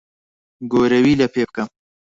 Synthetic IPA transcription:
ɡoɾɐwilɐpep̚kɐm

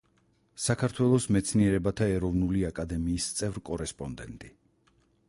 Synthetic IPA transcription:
sakʰaɾt̪ʰwɛlˠɔsmɛt̪sʰniɛɾɛbat̪ʰaɛɾɔvnuliakʼad̪ɛmiːst̪sʼɛvɾkʼɔɾɛspʼɔnd̪ɛnt̪ʼi

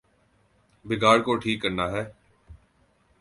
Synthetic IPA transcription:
bɪɡaːɽkoːʈʰiːkːəɾnaːɦɛː

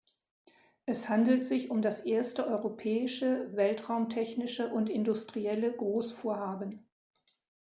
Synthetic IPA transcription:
ʔɛshandl̩tz̥ɪçʊmdasʔeːɐstəʔɔʏʁopʰɛːɪʃəvɛltʁ̥aʊmtʰɛçnɪʃəʔʊntɪndʊstʁ̥iɛləɡʁoːsfoːɐhaːbən̩

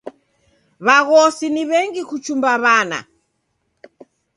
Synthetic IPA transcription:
βaɣɔsiniβɛŋɡikut͡ʃumbaβana̰

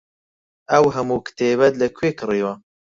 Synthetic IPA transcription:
ɐwɦɐmuːkt̪eːbɐt̪lɐkʰweːkɨriːwɐ

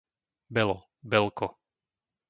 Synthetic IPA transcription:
bɛlɔ | bɛlkɔ

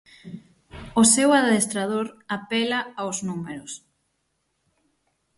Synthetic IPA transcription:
ʊsɛwaðest̪ɾað̞oɾapɛlɐawznumeɾʊs

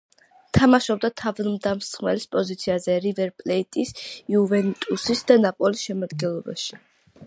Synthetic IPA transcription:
t̪ʰamaʃɔb̚d̪at̪ʰavanmd̪amsχmɛlispʼɔzit̪sʰiazɛɾivɛɾpʼlɛit̪ʼisiuvɛnt̪ʼusisd̪anapʼɔlisʃɛmad̪ɡɛnlˠɔba̰ʃi̥

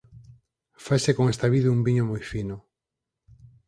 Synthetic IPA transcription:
fajsekoŋest̪aβiðeumbiɲomojfinʊ

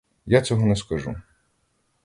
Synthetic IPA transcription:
jat͡sʲɔɦɔnɛskɐʒṵ

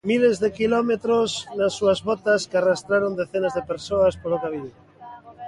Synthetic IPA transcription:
milezðekilomet̪ɾoznasːuazβot̪askearast̪ɾaɾond̪eθenazðepeɾsoaspolokaβin

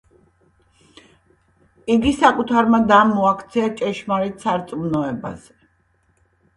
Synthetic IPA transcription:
iɡisakʼut̪ʰaɾmad̪amːɔakʰt̪sʰɛat͡ʃʼɛʃmaɾit̪saɾt̪sʼmnɔɛba̰z̥ɛ

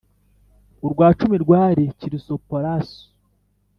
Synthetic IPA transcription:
uɾɡwaːt͡ʃumiɾɡwaːɾeciɾisopoɾaso̥

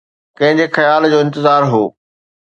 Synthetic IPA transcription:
kɐ̃ɦɪ̃ɲd͡ʑexɐjaːld͡ʑoːɪ̃nt̪ɪzaːɾɦoː

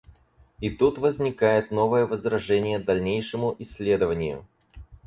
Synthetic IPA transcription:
it̪ut̪vəzʲnʲɪkajɪt̪no̞vəjəvəzɾɐʐɛnʲɪjəd̪ɐlʲnʲejʂɨmʊʔɪsʲːlʲe̞d̪əvənʲɪjʊ̰

